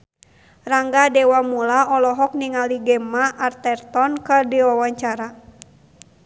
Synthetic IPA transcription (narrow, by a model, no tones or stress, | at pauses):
raŋɡadɛwamulaɔlɔɦɔk̚niŋaliɡɛmaʔart̪ɛrt̪ɔnkədiwawaɲt͡ʃaɾa